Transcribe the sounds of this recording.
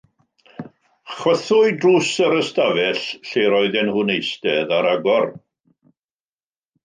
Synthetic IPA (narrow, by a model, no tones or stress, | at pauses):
χwəθʊɨdruːsəɾəstavɛɬɬejɾɔɨðɛnhʊːnejstɛðaɾaɡɔr